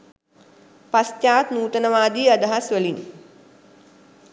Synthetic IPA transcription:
pastaːt̪nuːt̪ənəʋaːd̪iːad̪əɦasʋəliɲ

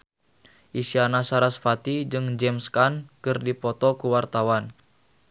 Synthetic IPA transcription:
ʔisianasaɾasfat̪id͡ʒɨŋd͡ʒɛmskankɨrdipɔt̪ɔkuwart̪awan

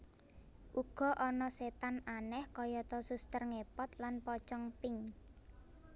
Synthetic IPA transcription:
ʔuɡ̥ɔ̤ʔɔnɔset̪ananɛhkɔjɔt̪ɔsust̪ərŋepɔt̪lanpɔt͡ʃɔŋpɪŋ

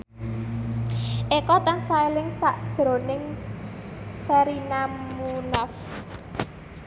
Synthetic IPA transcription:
ʔekɔt̪ansaelɪŋsaʔd̥ʒ̥ɾo̤nɪŋ | sɛɾinamunɔf

